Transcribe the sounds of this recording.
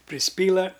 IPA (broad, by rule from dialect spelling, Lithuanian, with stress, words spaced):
pʲrʲɪsʲˈpʲiːlˠɐ